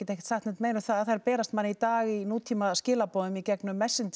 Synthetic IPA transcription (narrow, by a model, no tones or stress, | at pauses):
ɛt̪ehcɛ̥t̪saxt̪ɛt̪meːjnʏθaðaðθajɾpɛːɾast̪manːit̪aːɣinuːt̪ʰimascɪːlapoːwðʏmicɛknʏmːɛsːɪn